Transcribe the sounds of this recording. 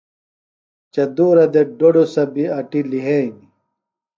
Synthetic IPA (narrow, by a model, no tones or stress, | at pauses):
t͡ɕɐd̪uːɾɐd̪eɖoɖosɐbiɐʈiliɦeni